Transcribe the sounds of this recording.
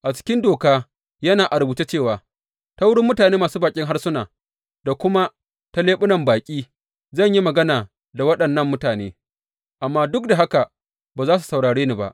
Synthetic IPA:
ʔa˨t͡ʃɪ̥˦kʲɪ˦ndoː˨kaː˦ | jɐ˦naː˨ʔa˨ɾbuː˨te˦t͡ʃeː˦˨waː˨ | ta˦wʊ˦ɽɪ˦mːʊ˦taː˨neː˦maː˨suː˦baː˨kʲʼɪ˦ŋɦa˦rsʊ˦naː˨ | da˨kʷʊ˦ma˦ | ta˦leː˦ɓʊ˦nɐ˨mbaː˨kʲʼiː˦ | zɐ˦˨ɲji˦mɐ˨ɡɐ˦naː˨ | da˨wɐ˦ɗɐ˨nːɐ˦mːʊ˦taː˨neː˦ | ʔa˨mːaː˦dʊ˦k̚da˨ɦa˦ka˨ | baː˨zaː˦s̬u̥˨sɐ˨wɽaː˨ɽeː˦ni˦ba̰˦˨ʔ

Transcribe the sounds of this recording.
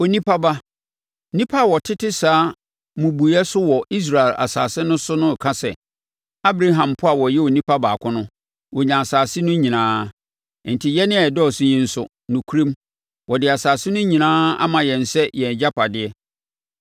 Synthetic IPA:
o˨nĩ˦pʰa˦ba˦ | nĩ˦pʰa˦˨wɔ˨tʰɪ˦tɪ˦saː˨˦ | mʊ̃˨bu˨˦ɛ˦sʊ˦wɔ˨ʔi˦s̬ɾa˨ɛ˨lʔa̰˨sa̰ː˨sɪ˦nʊ̃˦sʊ˦nʊ̃˦˨kʰa˦sɛ̰˨ | a˦bɾa˦ɦã˨mpʰʊ˦a˨wɔ˨jɛ˦o˨nĩ˦pʰa˦ba˨kʷʰʊ̃˦nʊ̃˦ | wɔ˨ɲã˨a˨saː˨sɪ˦nʊ̃˦ɲĩ˨nãː˦ | n̩˨tʰi˨jɛ˦nɪ̃˦˨dɔ˦˨sʊ̃˦ɲĩ˦n̩˦sʊ˦ | nʊ̃˨kʰu˦ɾẽ˦m | wʔɔ˨dɪ˨a˨saː˨sɪ˦nʊ̃˦ɲĩ˨nãː˦a̰˦mã˨jɛ̃˨n̩˨sɛ˦jɛ˨d͡ʑa˦pʰa˨dɪ˦ɛ˦

